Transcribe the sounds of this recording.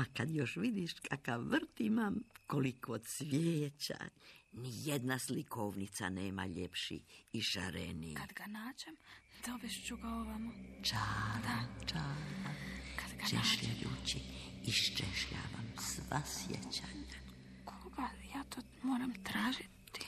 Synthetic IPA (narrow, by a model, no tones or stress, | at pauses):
akad̪joʃʋid̪iʃkʰakaʋʋr̩t̪imamkolikod̪sʋjeːt͡ɕa̰nijed̪naslikʰoʋnit̪sa̰neːma̰ʎepʃḭiʃa̰ɾenikad̪ɡanaːd͡ʑemd̪̥obeʃt͡ʃuɡaoʋamot͡ʃaːd̪at͡ʃaːd̪akʰad̪ɡat͡ʃeʃʎajuːt͡ɕiiʃt͡ʃeʃʎa̰ːʋamsʋasjḛt͡ɕaːɲa | kʰoɡajaːt̪oː | moːɾamt̪ɾaːʒit̪